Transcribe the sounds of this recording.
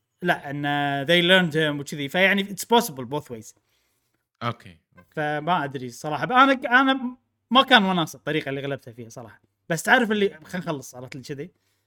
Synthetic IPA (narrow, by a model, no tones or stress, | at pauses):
laʔʔɪnːaðejləɾnd̪hʊmwt͡ʃɪðifajaʕniʔɪt̪sbɑːsəbəlboːθwejz̥ | ʔokʰḛ | famaʔad̪ɾisˤɑɾˤɑːħɑbʔanaʔana | makaːnwanaːsɨt̪ˤːɑɾiːqalːiɣalab̚t̪hafiːhasˤɑɾˤɑ̰ːħɑ | b̥asːt̪ʕaːɾəfɪlːixanxalːɨsˤʕɾɑːt̪lit͡ʃɪði